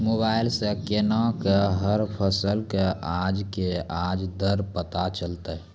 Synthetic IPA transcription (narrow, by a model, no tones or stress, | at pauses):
moːbaːɪlsekenakeɦəɾpʰəsəlkeʔad͡ʒkeaːd͡ʒd̪əɾpət̪at͡ʃəlt̪ə